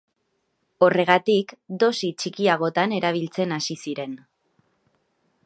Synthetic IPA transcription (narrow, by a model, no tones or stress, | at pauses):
o̞re̞ɣ̞at̪ikd̪o̞sit͡ʃikiaɣ̞o̞t̪ane̞ɾaβ̞ilt͡se̞nasisiɾe̞n